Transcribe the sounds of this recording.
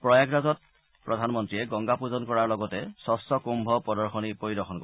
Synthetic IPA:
pɹɔjaɡɹazɔt̚ | pɹɔdʱanmɔntɹiɛɡɔŋɡapuzɔnkɔɹaɹlɔɡɔtɛsɔstɔkumbʱɔpɔdɔɹxɔnipoɹidɔxɔnkɔ

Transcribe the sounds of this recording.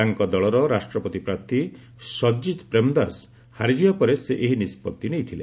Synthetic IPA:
aŋkɔd̪ɔɭɔɾɔɾasʈɾɔpɔt̪ipɾaɾt̪ʰi | sɔd͡ʒid̪pɾemd̪as | haɾid͡ʒijɔpɔɾeseʔeɦinispɔt̪ːinejt̪ʰile

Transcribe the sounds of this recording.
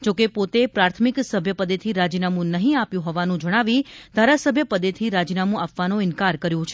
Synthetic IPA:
d͡ʒokepot̪epɾaɾt̪ʰmiksəbʱjəpəd̪et̪ʰiɾad͡ʒinamũnəɦĩapjũɦɔʋanũd͡ʒəɽ̃aʋid̪ʱaɾasəbʱjəpəd̪et̪ʰiɾad͡ʒinamũapʋanõɪnkaɾkəɾjũt͡ʃʰe

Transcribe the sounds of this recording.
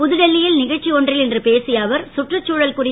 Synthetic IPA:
pʊðɯɽɛlːɪjɪlnɪɣɐɻt͡ʃːiɔndrɪlɛndrɯpeːsɪjaːʋɐɾsʊʈrɐt͡ʃːuːɻɐlkʊrɪ

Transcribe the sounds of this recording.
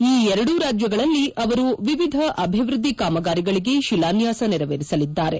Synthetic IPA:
iːɛɾɐɽuɾaːd͡ʒjɐɡɐɭɐlːiɐʋɐɾuʋiʋid̪ʱɐʔɐbʱiʋɾud̪ːikaːmɐɡaːɾiɡɐɭiɡe̞ʃilaːnjaːsɐnɛɾɐʋeːɾisɐlid̪ːaːɾe̞

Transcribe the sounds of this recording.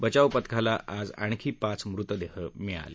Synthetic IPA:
bət͡ɕawpət̪kʰalaʔad͡za̰ɳ̃kʰiːpat͡smɾut̪əd̪eɦəmia̰le

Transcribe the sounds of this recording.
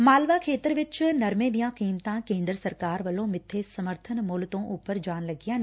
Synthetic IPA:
maːlʋakʰeːt̪əɾʋɪt͡ʃnɐɾmẽːd̪ijãːkiːmt̪ãkẽːnd̪ɾəsɐɾkaːɾʋɐlõːmɪt̪ʰːesɐməɾt̪ʰənmoːlt̪õʔuːpəɾd͡ʒaːnlɐɡijãːn

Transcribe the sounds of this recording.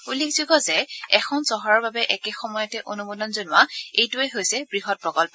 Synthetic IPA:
ulikz̥uɡɔzɛɛxʰɔnzɔɦɔɹɔɹbabɛʔɛkɛxɔmɔjɔtɛʔonumudɔnzonʊaejtuɛɦojsɛbɹiɦɔt̚pɹɔkɔlpɔ

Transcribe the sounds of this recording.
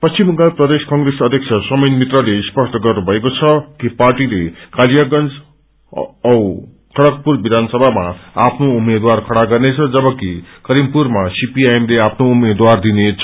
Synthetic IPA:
pʌst͡ʃimukaprʌd̪eskʌŋɡresʌd̪ʱjek̚sʰʌsʌmʌjnmit̪rʌleispʌsʈʰʌɡʌrnubʱʌekot͡sʰʌkiparʈilekaljaɡʌnd͡z | ʌw | kʰʌɽʌk̚purbid̪ʱansʌbʱamaapʰnoumed̪warkʰʌɽaɡʌrnet͡sʰʌd͡zʌbʌkikʌɾimpurmasipiajemleapʰnoumed̪ward̪inet͡sʰʌ

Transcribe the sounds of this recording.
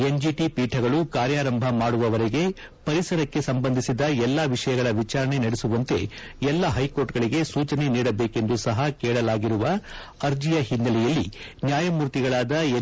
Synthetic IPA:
e̞nd͡ʒiʈipiːʈʰɐɡɐɭukaːɾjaːɾɐmbʱɐmaːɽuʋɐʋɐɾeɡe̞ | pɐɾisɐɾɐkːe̞sɐmbɐnd̪ʱisid̪ɐɛlːaːʋiʂɐjɐɡɐɭɐʋit͡ʃaːɾɐɳe̞nɐɽesuʋɐnt̪e̞̰ | ɛlːɐɦɐjko̞ːɾʈɡɐɭiɡe̞suːt͡ʃɐne̞niːɽɐbeːke̞nd̪usɐɦɐkɛːɭɐlaːɡiɾuʋɐː | ɾd͡ʒijɐɦind̪ɐlɛjɐlːinjaːjɐmuːɾt̪iɡɐɭaːd̪ɐ

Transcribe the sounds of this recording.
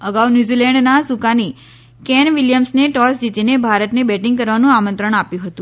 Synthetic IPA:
əɡawnjuzilɛɳɖnasukani | kɛnʋiljəmsneʈɔsd͡ʒit̪inebʱaɾət̪nebɛʈĩŋɡ̚kəɾʋanũamənt̪ɾəɳ̃apjũɦət̪ũ

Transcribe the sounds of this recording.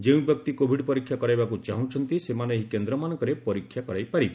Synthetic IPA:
d͡ʒeũbjɔkt̪ikobʱiɖpɔɾikʰːjakɔɾajbakut͡ʃaɦũt͡ʃʰɔnt̪isemaneɦikend̪ɾɔmanɔŋkɔɾepɔɾikʰːjakɔɾajpaɾib

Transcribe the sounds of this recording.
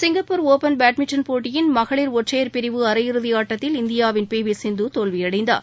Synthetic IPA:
sɪŋɡɐpːʊɾoːpɐnbaːʈmɪt͡ʃːɐnpoːʈːɪjɪnmɐɣɐɭɪɾɔʈrɐjɐɾpɪɾɪʋɯɐɾɐjɪɾɯðɪjaːʈːɐt̪ːɪlɪnd̪ɪjaːʋɪnpeːʋɪsɪnd̪ut̪oːlʋɪjɐɽɐɪnd̪a̰ːɾ

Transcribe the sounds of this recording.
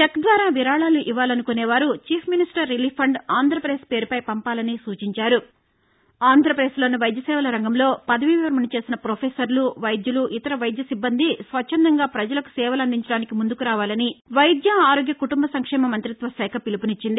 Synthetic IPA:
t͡ʃekd̪ʋaːɾaːʋiɾaːɭaːluʔiʋaːlɐnukonɛːʋaːɾut͡ʃiːpʰminisʈɐɾːiliːpʰɐɳɖaːnd̪ʱɾɐpɾeːspe̞ːɾupɐjpɐmpaːlɐnisuːt͡ʃiɲt͡ʃaːɾu | aːnd̪ʱɾɐpɐɾeːslo̞ːnuʋɐjd̪jɐsɛːʋɐlɐɾɐŋɡɐmlo̞ːpɐd̪ɐʋiʋɛʋɐɾmɐnit͡ʃe̞ːsinɐpɾoːpʰeːsɐɾluʋɐjd̪jɐluʔit̪ɐɾɐʋɐjd̪jɐsibːɐnd̪isʋɐt͡ʃʰːɐnd̪ɐŋɡaːpɾɐd͡ʒɐlɐku̥sɛːʋɐlɐnd̪iɲt͡ʃɐɽaːnikimund̪ukuɾaːʋaːlɐniʋɐjd̪jɐaːɾoːɡjɐkuʈumbɐsɐŋkʂɛːmɐmɐnt̪ɾit̪ʋɐsɛːkʰɐpilipunit͡ʃːind̪i

